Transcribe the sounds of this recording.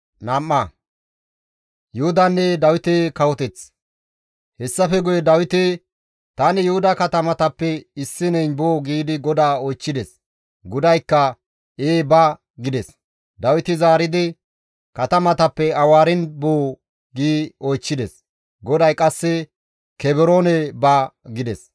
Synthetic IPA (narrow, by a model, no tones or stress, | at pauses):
nɐmːɐ | jʊhʊd̪ɐnːɛd̪ɐwɪt̪ekɐwɔt̪ɛt͡s | hɛsːɐfɛɡʊjɛd̪ɐwɪt̪e | t̪ɐnɪjʊhʊd̪ɐkɐt̪ɐmɐt̪ɐpːɛɪsːɪnɛjnboːɡiːd̪ɪɡɔd̪aːɔjt͡ʃːɪd̪ɛs | ɡʊd̪ɐjkːɐ | eːbɐ | ɡɪd̪ɛs | d̪ɐwɪt̪ɪzaːɾɪd̪ɪ | kɐt̪ɐmɐt̪ɐpːɛɐwaːɾɪnboː | ɡiːɔjt͡ʃːɪd̪ɛs | ɡɔd̪ɐjkʼɐsːɛ | kɛbɛɾoːnɛbɐɡɪd̪ɛs